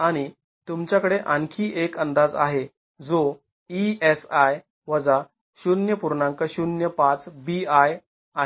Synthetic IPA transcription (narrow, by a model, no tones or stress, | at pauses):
aɽ̃i | t̪umt͡ɕjakəɽeʔənkʰiːʔekənd̪ad͡za̰ɦe | d͡zo | iesaj | ʋəd͡za | ɕunjəpuɾɳãŋkəɕunjəpat͡sbiaj | a